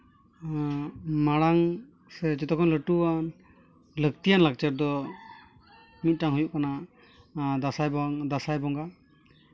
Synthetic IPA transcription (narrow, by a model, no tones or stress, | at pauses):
maɽaŋ | sɛd͡ʒɔt̪ɔkʰɔnləʈuan | lək̚t̪ijanlak̚t͡ʃɛɾ̚d̪ɔ | mit̪̚ˀʈaŋɦujuʔkana | d̪asajbɔŋd̪asajbɔŋɡa